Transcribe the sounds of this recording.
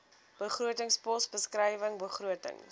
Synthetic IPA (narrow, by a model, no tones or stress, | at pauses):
b̥əχruətəŋspɔsbəskrəjvəŋbəχɾuətə̰ŋ